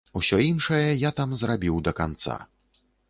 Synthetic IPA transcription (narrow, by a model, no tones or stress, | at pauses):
wsʲɔinʂɐjɐjat̪amzrabʲiwd̪ɐkant̪sa̰